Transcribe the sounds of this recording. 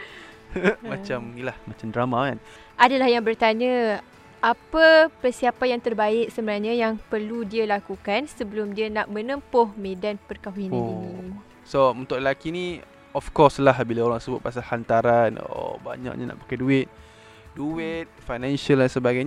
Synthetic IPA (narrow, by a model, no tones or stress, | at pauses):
mat͡ʃamilahmat͡ʃamdɾamakan | ʔadalahjaŋbərt̪aɲa | apəpərsiapajaŋt̪ərbaɪʔ̚səmənaɲəjaŋpərludialakukansəbəlʊmdianaʔmənəmpʊhmẽdanpərkawinio | sount̪ʊʔ̚ləlakini | ɔfkɔslahbilaoɾaŋsəbʊt̪̚pasalhant̪aɾano̰o̰ba̰ɲa̰kʔɲa̰na̰ʔpḁkaduɪt̪̚ | duɪt̪̚fajnansəldansəbaɡajɲa